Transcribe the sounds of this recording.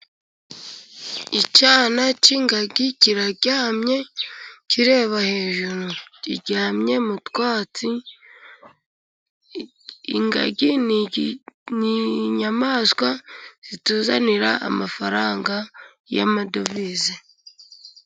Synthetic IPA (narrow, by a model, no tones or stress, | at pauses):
icaːnaciŋɡaɡiciɾaɟaːmɲe̞ciɾe̞ːβahe̞ːʒuɾuciɟaːmɲe̞mutwaːt͡si | ŋɡa̰ɡin | niɲamaskwaz̥ituːzaniɾaa̰mafaɾaːŋɡa | ja̰madovize